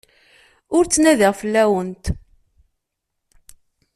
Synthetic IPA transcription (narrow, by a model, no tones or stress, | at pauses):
ʊɾt͡sːnæðəʁfəlːæwənt̪